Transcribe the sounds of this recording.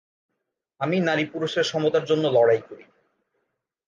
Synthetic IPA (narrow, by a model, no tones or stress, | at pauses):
aminaɾipuɾuʃeɾʃɔmot̪aɾd͡ʑonːolɔɽajkoɾi